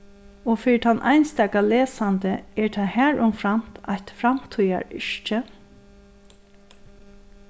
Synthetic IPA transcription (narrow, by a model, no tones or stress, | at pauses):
ɔfɪːɹɪt̪ʰanʔa̰jnst̪ɛːkaleːsant̪əɛɹt̪ʰaːhæːɹʊmfɾam̥t̪ajt̪fɾamt̪ʰuja̰ɹɪʃt͡ʃə